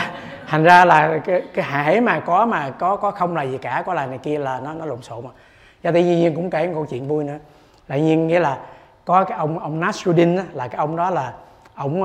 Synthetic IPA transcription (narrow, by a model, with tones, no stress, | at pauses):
t̪ʰa˨˩ŋ̟zaː˧laː˨˩kːkaː˨˦jhaː˧˨˩maː˨˩kɔ˨˦maː˨˩kɔ˨˦kɔ˨˦xə˧wŋ͡mlaː˨˩zi˨˩kaː˧˩kɔ˨˦laː˨˩ŋa˨˩jki˧əlaː˨˩nɔ˨˦nɔ˨˦lṵ˧˨nso̰˧˨ma˨˩ | zaː˧˩t̪i˧ɲi˧ɲi˧ənkʊ̰˧˥ŋ͡mke˧˩˦kə̰˧wt͡ɕwḭ˧˨ənvu˧jnɨ̰˧˥ə | t̪a̰ː˧˨ɲi˧ənŋḭ˧˥əlaː˨˩ | kɔ˨˦kaː˨˦jʔə˧wŋ͡mʔə˧wŋ͡mnaː˦˥t̚su˧ɗi˧naː˨˦laː˨˩kaː˨˦jʔə˧wŋ͡mɗɔ˨˦laː˨˩ | ʔə˧˩wŋ͡m